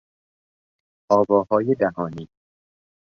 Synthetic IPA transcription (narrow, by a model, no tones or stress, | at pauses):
ʔɒːbɒːhɒːjed̪æɦɒːniː